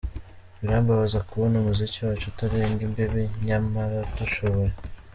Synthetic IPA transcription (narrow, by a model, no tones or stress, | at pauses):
βiɾaːmbaβazakuβonumuziciwat͡ʃutaɾeŋɡimbiβiɲamaɾatuʃoβoɾe